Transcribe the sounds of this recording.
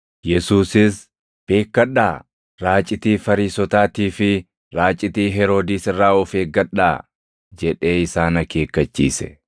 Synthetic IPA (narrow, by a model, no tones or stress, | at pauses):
jɛsuːsɪs | b̥e̞ːkːɐᶑaː | ɾaːt͡ʃʼɪt̪iːfɐɾiːsɔt̪aːt̪iːfɪ | ɾaːt͡ʃʼɪt̪iːɦɛɾo̞ːd̪iːsɪrːaːɔfeːɡɐᶑaː | d͡ʒɛᶑe̞ːɪsaːnɐke̞ːkːɐt͡ʃːḭːsɛ̥̰